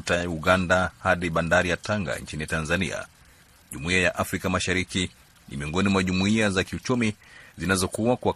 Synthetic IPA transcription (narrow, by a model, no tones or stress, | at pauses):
tauɡandahaɗiɓandaɾijataŋɡa̰nt͡ʃinitanzanḭa̰ | ʄumuiajaʔafɾikamaʃaɾiki | nḭmiɔŋɡɔnimwaʄumuiazakiut͡ʃumizinazɔkuakwa